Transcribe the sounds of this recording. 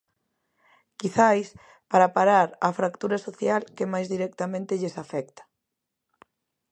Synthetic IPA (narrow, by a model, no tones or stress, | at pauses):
kiθajs | paɾapaɾaɾafɾakt̪uɾasoθjalkemajzðiɾɛk̚t̪amẽnt̪ɪʎesafɛkt̪ḁ